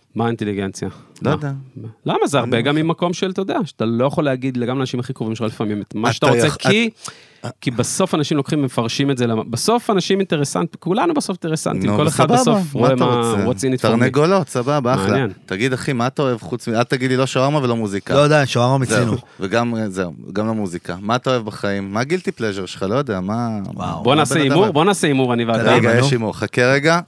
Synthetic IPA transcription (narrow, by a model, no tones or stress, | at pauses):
maint̪eliɡent͡sjaladmalamazeaʁbe̞ɡamːimakomʃelt̪ajod̪eaʃeat̪alojaχo̞leːɡid̪leɡamleanaʃimaχikʁovimʃealifamimet̪maʃeat̪aʁot͡seki | kibaso̞fanaʃimlo̞kχimvemefaʁʃimetzelamabaso̞fanaʃimint̪eʁesa̰nt̪ikulanubeso̞fint̪eesa̰nikoleχad̪asofʁoemaʁot͡sinit̪taʁneɡolot̪sababaaaːlanent̪aɡid̪aχimaːt̪aoevχut͡smialt̪aɡid̪liloʃoaʁmavelomuzikalojd̪aʃoaʁmamiznuveɡamzeuɡamlomuzikamaːt̪aoevbaχaimːaɡilt̪ipleʒeʁʃeχalo̞jod̪eamabonaːseimuʁbo̞naːseimuʁaniveadaɡajeʃimuʁχakeʁeɡa